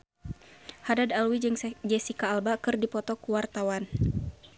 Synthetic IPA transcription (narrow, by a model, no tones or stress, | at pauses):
hadadalwid͡ʒɨŋd͡ʒɛsikaːlbakɨrdipɔt̪ɔkuwart̪awan